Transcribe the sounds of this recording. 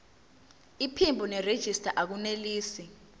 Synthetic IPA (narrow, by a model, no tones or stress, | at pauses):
ipʰimbʱunɛred̥ʒ̥ʱistʰʼaʔak̬uneliːsi